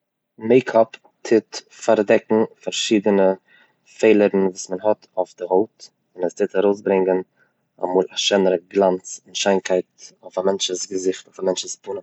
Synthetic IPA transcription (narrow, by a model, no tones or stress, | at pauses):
meɪkʰɔp | tʰɪt | faɾdɛkŋ̩faɾʃiːdənə | feɪlˠəɾn̩vuːsmənɦɔtʰoʊfdɪhoʊt | ɪnəstʰɪtaɾoʊs̬bɾɪŋɡən | a̰muːlˠaʃɛnəɾəɡlˠant͡sɪnʃaɪnkʰaɪt̚oʊfamɛnt͡ʃəsɡəzɪχtoʊfamɛnt͡ʃəspuːnə